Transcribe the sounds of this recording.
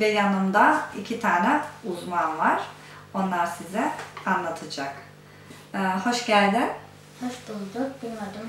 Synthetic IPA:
vɛjanɯmd̪aicʰit̪ʰaːnɛuzmanvaɾ̥ | o̞nlˠaɾsizɛanlˠat̪ʰɯd͡ʒakː | ho̞ʃɟælʲd̪ɪ | hoʃd̪ulˠd̪ʊbinmad̪ɯm

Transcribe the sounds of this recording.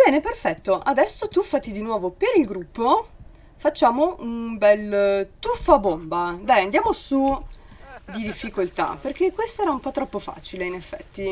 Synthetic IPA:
bɛːneperfɛt̪ːoʔad̪ɛsːot̪ufːat̪ːid̪inwɔːvopeɾilɡɾupːo | fat͡ʃːaːmoʔunbɛlt̪ufːabombad̪ajand̪jaːmosu | d̪id̪ifːikolt̪a̰perk̟ekwest̪oɛːɾaumpɔt̪ːɾɔpːofa̰ːt͡ʃileinefːɛ̰t̪ːi

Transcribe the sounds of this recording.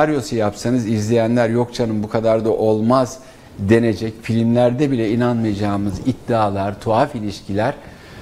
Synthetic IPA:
aɾjo̞sujapsanɯzizlʲejænlʲæɾjo̞kt͡ʃʰanɯmbukʰad̪aɾd̪aʔo̞lˠmaz | d̪e̞ne̞d͡ʒɛcfilʲimlʲæɾd̪ɛbilʲɛinanmajad͡ʒaːmɯzid̪ːiaːlˠaɾt̪ʰo̞afilʲiʃcʰilʲæɾ̥

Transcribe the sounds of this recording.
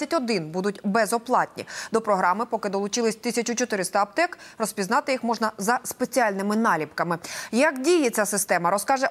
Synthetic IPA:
ɐtʲɔd̪ɪnbud̪ʊtʲbɛzɔplˠɑtʲnʲḭd̪ɔpɾɔɦɾɑmɪpɔkɪd̪ɔlˠʊt͡ʃɪlˠɪsʲt̪ɪsʲɐt͡ʃʊt͡ʃɔt̪ɪɾɪst̪ɐːp̚t̪ɛkrɔspʲiznɑt̪ɪjixmɔʐnɐzɐspet͡sʲiɑlʲnɪmɪnɑlʲipkɐmɪjɐkdʲijet͡sʲasɪst̪ɛmɐɾɔskɑʒɛ

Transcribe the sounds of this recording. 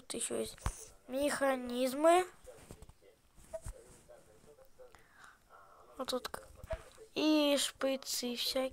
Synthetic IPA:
ut̪jɪɕːo̰jesʲtʲmʲɪxɐnʲizmɨ | t̪ut̪k | iʂpɨt̪sɨfsʲa

